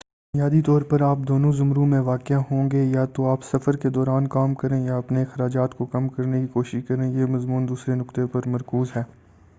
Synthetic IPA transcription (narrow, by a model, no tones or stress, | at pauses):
bʊnjaːd̪it̪ɔːɾpɐɾaːp̚d̪oːnõzʊmɾũmẽʋaːkɪaɦõ̆ːɡejat̪oaːpsɐfəɾked̪ɔːɾaːnkaːmkɐɾẽjaɐpnexɐɾaːd͡ʒaːt̪kokɐmkɐɾnekikoːʃɪʃkɐɾẽːjeːmɐzmuːnd̪uːsɾenʊkt̪epɐɾmɐɾkuːzɦɛː